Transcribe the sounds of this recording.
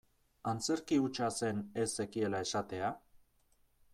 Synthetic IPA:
ant͡se̞ɾkiut͡ʃase̞ne̞se̞kie̞lae̞sat̪e̞a

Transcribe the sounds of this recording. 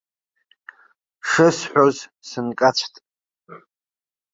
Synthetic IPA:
ʂɨsħʷᶣozsɨnkʼat͡ɕʷʰtʼ

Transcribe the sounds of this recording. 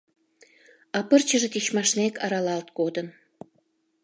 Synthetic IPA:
ɑpərt͡ɕəʒĕt̪it͡ɕmɑʃnekɑɾɑlɑlt̪kod̪ən

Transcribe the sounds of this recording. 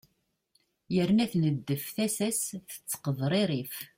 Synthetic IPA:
jəɾnæθnəd̪ːəfθæsæsθə̥t͡sːə̥qəðˤɾˤeɾif

